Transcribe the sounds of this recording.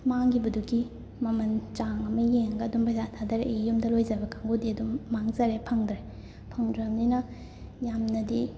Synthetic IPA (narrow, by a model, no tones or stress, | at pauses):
maŋɡibɐdukːi | mɐmɐnt͡ʃaŋɐmɐjeŋɡɐɐdumbajzatʰadɐɾeʔjumdɐlojzɐbɐkʰaŋɡudiɐdumːaŋzɐɾepʰɐŋdɾe | pʰɐŋdɾɐɦɐmninɐ | jamnɐdi